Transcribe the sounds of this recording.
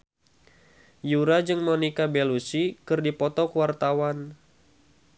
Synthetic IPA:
juɾad͡ʒɨŋmɔnikabɛlusikɨrdipɔt̪ɔkuwart̪awan

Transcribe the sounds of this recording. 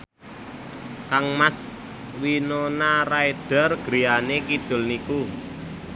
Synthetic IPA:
kaŋmas | winonaraed̥a̤rɡ̥ɾijanekid̪̥ʊ̤lniku

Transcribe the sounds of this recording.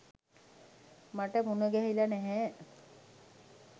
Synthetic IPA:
maʈəmunəɡɛɦilanɛɦɛ

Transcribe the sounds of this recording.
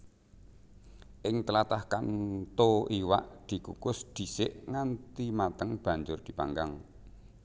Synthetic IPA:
ʔɪŋt̪əlat̪ahkant̪oʔiwa̰ʔd̪̥i̤kukʊsd̪̥i̤sɪʔŋant̪imat̪əŋb̥a̤ɲd͡ʒʊrd̪̥i̤pa̰ŋɡaŋ

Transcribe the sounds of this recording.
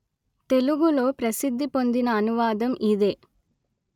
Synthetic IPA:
t̪e̞luɡulo̞ːpɾɐsid̪ʱːipo̞nd̪inɐːnuʋaːd̪ɐmʔid̪e̞ː

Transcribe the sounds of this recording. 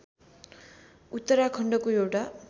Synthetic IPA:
ut̪ːʌɾakʰʌɳɖʌkoewʈa

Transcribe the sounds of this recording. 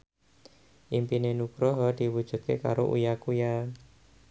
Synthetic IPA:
ʔimpinenukɾɔɦɔd̪̥i̤wud̥ʒ̥ṳt̪̚keka̰ɾo̰ʔṵjakuja

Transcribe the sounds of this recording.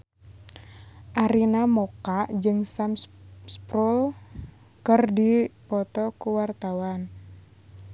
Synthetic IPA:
ʔaɾinamɔkaʔd͡ʒɨŋsamsspɾul | kɨrdipɔt̪ɔkuwart̪awan

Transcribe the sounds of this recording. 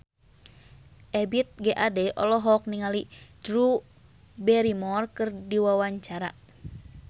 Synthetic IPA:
ʔɛbit̪̚ɡɛʔadɛʔɔ̰lɔɦɔk̚niŋalid͡ʒɾu | bɛɾimɔrkɨrdiwawaɲt͡ʃaɾa̰

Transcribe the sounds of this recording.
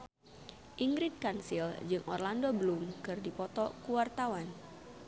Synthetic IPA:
ʔiŋɡɾɪd̪̚kansild͡ʒɨŋʔɔ̰rlandobəlumkɨrdipɔt̪ɔkuwart̪awan

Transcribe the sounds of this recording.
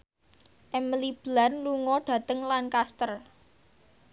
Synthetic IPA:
ʔɛməlib̥lanluŋɔɖ̥ä̤t̪əŋlankast̪ər

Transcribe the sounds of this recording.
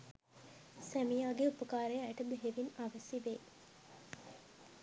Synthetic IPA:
sæmijaːɡeupəkaːɾejæʈɐd̪eɦeʋinaʋɐsiʋeː

